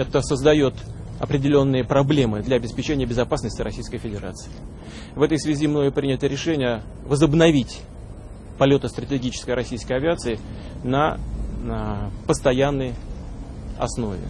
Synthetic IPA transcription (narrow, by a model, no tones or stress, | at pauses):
ɛt̪əsəzd̪ɐjo̞t̪ | ɐpɾʲɪdʲɪlʲo̞nːɨjəpɾɐblʲe̞mɨd̪lʲɐɐbʲɪspʲɪt͡ɕenʲɪjəbʲɪzɐpasnəsʲtʲɪɾɐsʲijskəjfʲɪdʲɪɾa̰t̪sɨ̥ɪ | vɛt̪əjsvʲɪzʲimno̞ɪpɾʲinʲɪt̪əɾʲɪʂɛnʲɪjə | vəzəbnɐvʲitʲ | pɐlʲo̞t̪əst̪ɾətʲɪɡʲit͡ɕɪ̥skəjɾɐsʲijskəjɐvʲɪat̪sɨɪ | nə | pəst̪ɐjanːəj | ɐ̰sno̞̰vʲɪ̰